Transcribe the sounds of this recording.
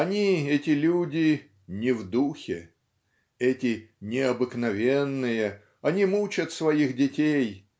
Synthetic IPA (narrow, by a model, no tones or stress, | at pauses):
ɐnʲiɛtʲɪlʲudʲɪ | nʲɪvd̪uxʲɪ | ɛtʲɪnʲɪɐbɨknɐvʲenːɨjə | ɐnʲimut͡ɕət̪svɐixdʲɪtʲej